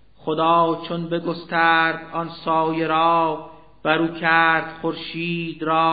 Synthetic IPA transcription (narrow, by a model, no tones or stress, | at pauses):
χod̪ɑːt͡ʃʰonbeɡost̪æɾd̪ɒnsɒːjeɾɒː | b̥æɾuːkʰæɾd̪̥χoɾʃiːd̪ɾɒː